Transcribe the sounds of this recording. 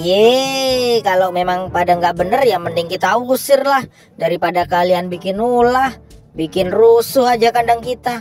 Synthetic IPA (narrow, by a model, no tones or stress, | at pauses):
jɛ | kalomemaŋpadaŋɡaʔbənərjaŋməndiŋkit̪auɡusɪrlah | daɾipadakalianbikɪnulah | bikɪnrusʊɦad͡ʒakandaŋkit̪a